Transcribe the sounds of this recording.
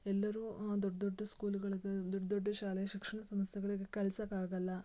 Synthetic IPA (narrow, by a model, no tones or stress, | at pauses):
ɛlːɐɾuːd̪oɖːɐd̪oɖːɐskuːluɡɐɭiɡed̪oɖɐd̪oɖːɐʃaːlejɐʃikʂɐɳɐsɐmɐst̪jeɡɐɭiɡekɐɭɐsɐkaːɡɐlːɐ